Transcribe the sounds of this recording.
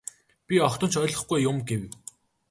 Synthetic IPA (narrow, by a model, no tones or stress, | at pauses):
pʲiɔkt̪ə̆nt͡ɕʰœjɮɞ̆χɡujːʊmɡew